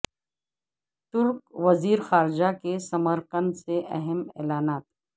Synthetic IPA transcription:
t̪ʊɾkʋɐziːɾxaːɾɪd͡ʒakesɐməɾqənseʔɐɦɛmɛ̰ːlaːnaːt̪

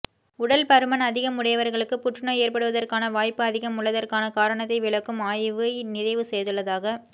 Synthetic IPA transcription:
ʊɽɐlpɐɾɯmɐnɐðɪɣɐmʊɽɐjɐʋɐɾɣɐɭɯkːɯpʊʈrɪnɐeːrpɐɽɯʋɐðɐrkaːnɐʋaːjpːɯɐðɪɣɐmʊɭːɐðɐrkaːnɐkaːɾɐɳɐt̪̬ːɐɪʋɪɭɐkːɯmaːjʋɯɪnɪɾɐɪʋɯsɛjðɯɭːɐðaːɣɐ

